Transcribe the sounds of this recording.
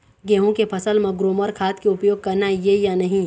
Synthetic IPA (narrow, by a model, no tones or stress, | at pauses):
ɡɛːɦõkepʰɐsəlmẽɡɾoːməɾkʰaːt̪keʊpjoːɡ̚kɐɾnajejanɐɦĩ